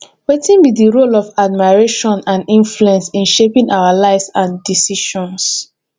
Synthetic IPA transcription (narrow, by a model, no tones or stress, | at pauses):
wetĩnbidiɹolɔvad̚maɹeʃɔ̃nãnĩnfluɛ̃nsĩnʃepĩŋʔawalaɪvsãndisiʃɔ̃ns